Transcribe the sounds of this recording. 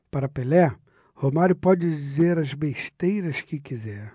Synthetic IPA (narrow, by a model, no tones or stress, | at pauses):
paɾɐpelɛ | homaɾʊpɔd͡ʒɪd͡ʒizeɾɐzbeʃt̪ejɾɐskɪkizɛɾ